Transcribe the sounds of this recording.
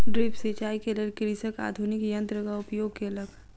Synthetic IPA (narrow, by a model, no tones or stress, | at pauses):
ɖɾɪpset͡ʃaːikeɐləɡkeɾɪsəka̰ːd̪ʱunɪkjɐ̃nt̪ɾəkaʊpjoːɡ̚keɐləɡ